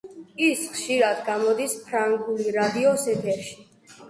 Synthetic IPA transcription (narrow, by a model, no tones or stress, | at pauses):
isχʃiɾad̪ɡamɔd̪ispʰɾaŋɡuliɾad̪iɔsɛt̪ʰɛɾʃi̥